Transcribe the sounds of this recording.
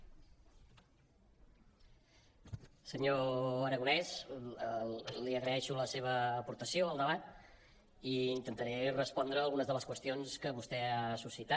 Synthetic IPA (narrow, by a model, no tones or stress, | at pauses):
səɲoəɾəɣunɛz | liəɣɾəɛʃuləseβ̞əːpuɾt̪əsioəlˠd̪əβat̪̚ | iint̪ənt̪əɾɛrəspɔnd̪ɾəːlˠɣunəzðələskwəst̪ionskəβust̪ɛasusit̪a